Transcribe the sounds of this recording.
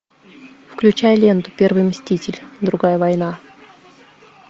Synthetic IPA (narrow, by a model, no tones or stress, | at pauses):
fklʲʉt͡ɕajlʲe̞nt̪ʊ̥pʲe̞rvɨjmsʲtʲitʲɪlʲd̪ɾʊɡajəvɐjna